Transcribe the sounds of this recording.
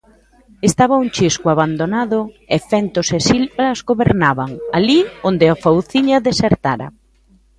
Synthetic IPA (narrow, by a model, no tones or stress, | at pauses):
est̪aβɐuŋt͡ʃiskwaβand̪onaðʊ | efɛnt̪osesilβɾɐzɣoβeɾnaβaŋaliond̪ɪafowθiɲɐðeseɾt̪aɾɐ̰